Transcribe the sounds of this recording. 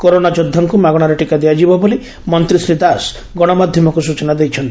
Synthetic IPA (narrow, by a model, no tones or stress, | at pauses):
kɔɾonad͡ʒod̪ʱːɔŋkumaɡɔɽ̃aɾeʈikad̪ijad͡ʒibɔboli | mɔnt̪ɾisɾid̪as | ɡɔɽ̃ɔmad̪ʱjɔmɔkusut͡ʃɔnad̪ejt͡ʃʰɔnt̪i̥